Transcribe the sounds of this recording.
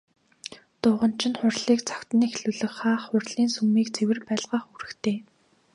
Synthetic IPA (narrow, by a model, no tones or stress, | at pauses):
t̪ʊːʁə̆n̥t͡ɕʰɪ̆nχʊrɮiːkt͡sʰḁkt̪ɘ̆nexɮuɮɘ̆xχaːχːʊrɮiːnsumiːkt͡sʰewɘ̆rpæːɮʁaːχuɾɘ̆xt̪ʰeː